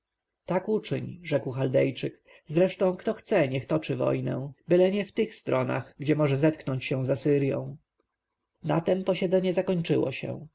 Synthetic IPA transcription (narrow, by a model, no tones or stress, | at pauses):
t̪akut͡ʂɘɲʐɛkwxald̪ɛjt͡ʂɘk | zɾɛʂt̪ɔ̃w̃kt̪ɔxt̪sɛɲɛxt̪ɔt͡ʂɘvɔ̰jnɛ̰bɘlɛɲɛft̪ɘxst̪ɾɔna̰ɣɡd͡ʑɛmɔʐɛzɛt̪knɔɲt͡ɕɕɛ̃zasɘɾjɔ̰̃w̃ | nat̪ɛmpɔɕɛd̪zɛɲɛzakɔɲt͡ʂɘ̰wɔ̰ɕɛ̰